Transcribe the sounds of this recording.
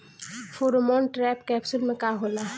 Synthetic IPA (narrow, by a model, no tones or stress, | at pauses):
foɾmɔ̃ːɳʈɾɛːpkɛːpsʊlmẽkaːɦoːlaː